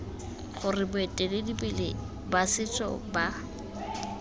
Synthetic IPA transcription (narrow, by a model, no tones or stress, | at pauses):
χʊrɪbʊetʼeledibɛle | basɪt͡sʼɔ̰ba